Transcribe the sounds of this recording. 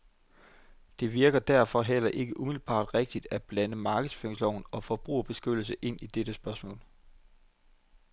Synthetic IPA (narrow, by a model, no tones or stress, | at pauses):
d̥e̝ʋiɐɡ̥ɐd̥æɐ̰fɒ̽ɦel̰ɐʔe̝ɡ̥əʔumil̩b̥ɑ̰̈ːd̥ʁeɡ̥̚d̥id̥æb̥lænəmɑ̈ːɡ̥ð̩ˠsføeŋslɒʊn̩ɒ̽fɒ̽b̥ʁṵːɐb̥e̝sɡ̥ød̥l̩s̬əʔe̝n̰id̥ed̥əsb̥ɶɐsmɔ̰̽ːl